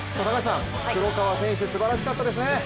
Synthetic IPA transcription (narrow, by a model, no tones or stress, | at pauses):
sat̪aɡaɕi̥sãŋʲ | iɾokaβasẽɰ̃ɕ̬ɨesɨbaɾaɕi̥kat̪ːad̪e̞s̬ɨne